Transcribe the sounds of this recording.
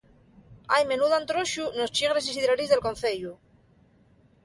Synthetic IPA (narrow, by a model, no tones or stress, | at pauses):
ajmenuðant̪ɾoʃunost͡ʃiɣ̞ɾesisiðɾaɾizðelkonθeʎu